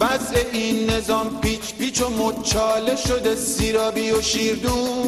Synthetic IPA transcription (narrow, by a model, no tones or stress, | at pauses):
væseʔinːe̞zɒːmpʰit͡ʃʰpit͡ʃʰomot͡ʃʰɒːleʃod̪esiːɾɒːbijoʃiːɾd̪u